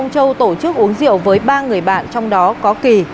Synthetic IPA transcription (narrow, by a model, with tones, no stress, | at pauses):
wŋ͡mt͡ɕə˧wt̪o˧˩t͡ɕɨ˦˥k̚ʔu˨˦əŋzḭ˧˨əwvəː˨˦jɓaː˧ŋɨ˨˩əjɓa̰ː˧˨nt͡ɕɔ˧wŋ͡mɗɔ˨˦kɔ˨˦ki˨˩